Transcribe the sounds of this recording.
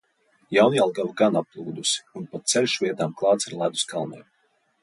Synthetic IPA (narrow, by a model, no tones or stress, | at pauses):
jawnjalˠɡavɡanap̚lˠuːd̪usi̥unpat̪sɛlʲʃvʲiɛt̪aːmklˠɑːt̪siɾlˠad̪u̥skalˠnɛ̰m